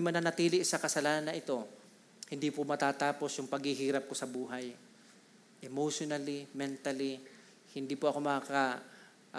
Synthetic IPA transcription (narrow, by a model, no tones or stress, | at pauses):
mɐnɐnɐt̪iːlɪʔsɐkɐsɐlaːnɐnːɐʔɪt̪o̞ | hɪnd̪iːpomɐt̪aːt̪aːpo̞sjʊŋpɐɡ̚hiɦiːɾɐp̚kosɐbuːɦɐj | ʔɛmoʃonɐlimɛnt̪ɐli | hɪnd̪iːpoʔɐko̞mɐaka